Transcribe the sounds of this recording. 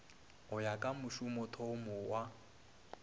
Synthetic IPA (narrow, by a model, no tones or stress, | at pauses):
ʊjakʼamʊʃʊmɔtʰɔmɔwa